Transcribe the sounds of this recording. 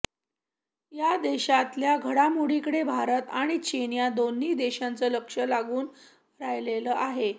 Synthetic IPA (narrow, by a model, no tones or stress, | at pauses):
jad̪eɕat̪ljaɡʱəɽamuɽikəɽebʱaɾət̪aɽ̃it͡ɕenjad̪onːiːd̪eɕant͡səːləkʂəlaɡuːn | ɾajleləːʔaɦe